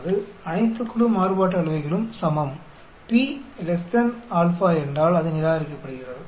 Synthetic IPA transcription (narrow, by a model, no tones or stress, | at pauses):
ðɯɐnɐɪt̪ːɯkːɯɽɯmaːrɯpaːʈːɐɐɭɯʋɐɪɣɐɭɯmsɐmɐm | piːlɛst̪ɐnaːlfaːɛndraːlɐðɯnɪɾaːɣɐɾɪkːɐpːɐɽɯɣɪrɐðɯ